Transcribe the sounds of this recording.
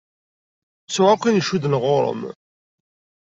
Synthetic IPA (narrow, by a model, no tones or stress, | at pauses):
suʁaqinʃuðənʁoɾˤə̰m